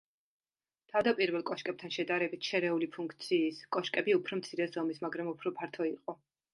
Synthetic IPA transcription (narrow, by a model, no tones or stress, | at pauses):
t̪ʰavd̪apʼiɾvɛlˠkʼɔʃkʼɛb̚t̪ʰanʃɛd̪aɾɛbit̪ʰʃɛɾɛulipʰuŋkʰt̪sʰiːskʼɔʃkʼɛbiupʰɾɔmt̪sʰiɾɛzɔmismaɡɾamupʰɾɔpʰaɾt̪ʰɔiqʼɔ